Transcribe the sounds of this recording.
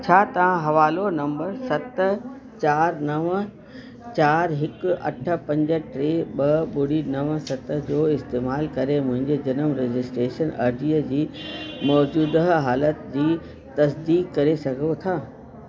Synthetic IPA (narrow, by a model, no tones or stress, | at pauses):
t͡ɕʰaːt̪ɐʋãɦɐʋaːlonɐ̃mbəɾsɐt̪̆ | t͡ɕaːɾnɐʋ | t͡ɕaːɾɦɪkɐ̰ʈʰə̆pɐ̃ɲd͡ʑə̆ʈɾeːɓɐɓʊɽinɐʋsɐt̪d͡ʑoːɪst̪eːmaːlkɐɾemʊ̃ɦɪ̃ɲd͡ʑed͡ʑɐnəmɾed͡ʑɪsʈɾeːʃənɐ̰ɾd͡ʑiːəd͡ʑiːmɔːd͡ʑuːd̪əɦɦaːlət̪d͡ʑiː | t̪ɐsd̪iːkːɐɾesɐɡʱot̪ʰaː